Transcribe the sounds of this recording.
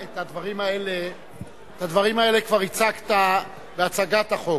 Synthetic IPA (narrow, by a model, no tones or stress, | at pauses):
et̪ad̪vaʁimae̞le | et̪ad̪vaʁimae̞lekvaʁit͡sakt̪a | beat͡saɡat̪aχo̞